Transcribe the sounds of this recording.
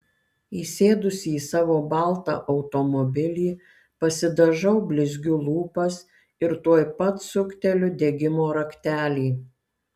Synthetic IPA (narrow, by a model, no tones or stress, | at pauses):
iːsʲeːd̪ʊsʲiːsɑːʋoːbɑˑlˠt̪ɑ̰ːʔɐʊt̪omɔbʲɪlʲiː | pɐsʲɪd̪ɐʒɐʊbʲlʲɪzʲɡʲʊlˠuːpɐs | ɪɾt̪uɔjpɐt̪sʊkʲt̪ʲɛlʲʊd̪ʲeɡʲɪmoːɾɐkʲt̪ʲæːlʲiː